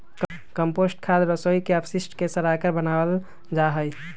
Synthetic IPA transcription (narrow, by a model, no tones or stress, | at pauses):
k | kəmposʈkʰad̪ɾəsoikeəpʰsisʈkesəɾakəɾbənabəl | d͡ʒaɦəj